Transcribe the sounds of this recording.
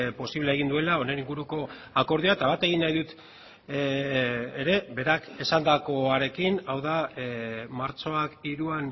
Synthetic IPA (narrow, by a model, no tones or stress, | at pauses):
po̞siβleeɣind̪ue̞lao̞ne̞niŋɡuɾuko̞ako̞ɾðioat̪aβat̪e̞ɣ̞inːajðut̪ | ɾe̞βe̞ɾake̞sand̪ako̞aɾe̞kinawða | maɾt͡so̞akiɾuan